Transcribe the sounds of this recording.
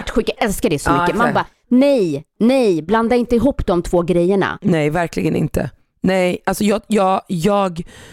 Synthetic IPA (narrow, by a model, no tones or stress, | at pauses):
ʈɧʉkːaʔɛlskaɖɛjsɔmʏkkːəmanbaː | nɛjnɛjbland̪aɪnt̪əɪɦuːpːd̪ɔmt̪ʰvoːɡɾɛjːəɳa̰nɛjvæɾklɪɡənɪ̰nt̪ʰə̰ | nɛjʔalsɔjɑːjɑːjɑːɡ